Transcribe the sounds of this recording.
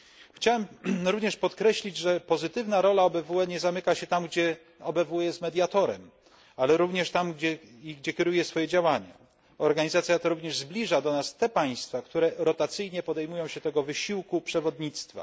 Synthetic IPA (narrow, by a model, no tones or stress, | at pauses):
xt͡ɕawɛmɾuvɲɛʂpɔt̪kɾɛɕlʲid͡ʑʐɛpɔzɘt̪ɘvnaɾɔlaɔbɛvuɛɲɛzamɘkaɕɛt̪amɡd͡ʑɛ | ɔbɛvujɛst̪mɛd̪ʲjat̪ɔɾɛ̰m | alɛɾuvɲɛʂt̪amɡd͡ʑɛiɡd͡ʑɛkʲɛɾujɛsfɔjɛd͡ʑawaɲa̰ | ɔɾɡaɲizat̪sʲjat̪ɔɾuvɲɛʐzblʲiʐad̪ɔnast̪ɛpaj̃st̪fakt̪uɾɛɾɔt̪at̪sɘjɲɛpɔd̪ɛjmujɔ̃w̃ɕɛt̪ɛɡɔvɘɕiwkupʂɛvɔd̪ɲit̪st̪fa̰